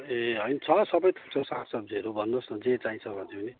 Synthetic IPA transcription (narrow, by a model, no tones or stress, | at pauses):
eɦʌjnt͡sʰʌsʌbʌjt̪ʰu̥kt͡sʰʌsasʌb̚d͡ziʌɾubʱʌnːosʌd͡zet͡saint͡sʰʌbʱʌnt̪ʰepʌni